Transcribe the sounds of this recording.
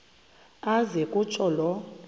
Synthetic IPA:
azɛkʼut͡ʃʼɔlɔ

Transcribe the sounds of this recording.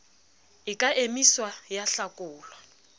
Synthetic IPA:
ɪkʼaʔemiswajaɬakʼʊːlwa

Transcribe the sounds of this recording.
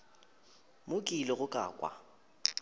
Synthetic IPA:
mʊkʼilɪɣʊkʼa̰ːkʼwa̰

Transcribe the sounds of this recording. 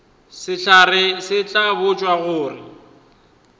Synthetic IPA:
sɪɬʰarɪsɪt͡ɬʼabʊt͡ʃʼwaɣʊːrɪ

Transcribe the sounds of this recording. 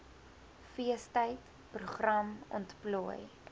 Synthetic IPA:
fiəstəjt | pruχrɐmɔ̰ntpluəj

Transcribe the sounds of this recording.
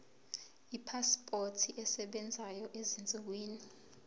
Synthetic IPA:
ipʰaspʼotʰiʔɛsɛɓɛnd͡zʱajɔʔezint͡sʼik̬weːni

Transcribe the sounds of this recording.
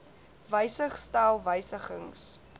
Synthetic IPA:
vəjsəχstælˠvəjsəχəŋs

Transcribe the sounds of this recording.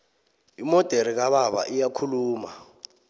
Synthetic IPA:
imɔd̥ʱeɾik̬aɓaɓa̰ʔijakʰuluːma

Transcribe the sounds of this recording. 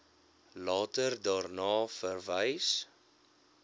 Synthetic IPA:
lɑːtərdɑːrnɑːfərvəjs

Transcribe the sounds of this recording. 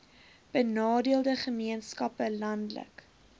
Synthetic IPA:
b̥ənɑːdiəlˠdəχəmiənskɐpəlɐndlə̰k

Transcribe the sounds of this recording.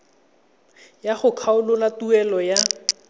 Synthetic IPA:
jaχʊkʰaʊlʊlatuɛlɔja

